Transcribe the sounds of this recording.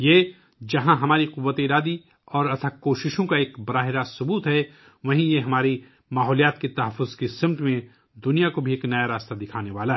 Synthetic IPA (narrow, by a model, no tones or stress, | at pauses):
jeː | d͡ʒɐɦãɦɐmaːɾiqʊʋːət̪eːɾaːd̪i | ɔːɾɐt̪ʰakoːʃɪʃõkaeːkbɐɾaːɦɪɾasʊbuːt̪ɦɛ | ʋɐɦĩjeɦɐmaːɾi | maːɦɔːlijaːt̪ket̪ɐɦəfːʊzkesɪ̃mʈ̪mẽ | d̪ʊnijakobʱieːknɐjaɾaːst̪ad̪ɪkʰaːneʋaːlaɦɛ